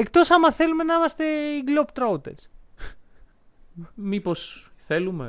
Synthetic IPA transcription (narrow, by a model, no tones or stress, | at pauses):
ek̚t̪o̞sɐmɐθe̞lume̞nɐimɐst̪e̞iɡlopt̪ɾout̪ḛs | mipo̞sθe̞lumḛ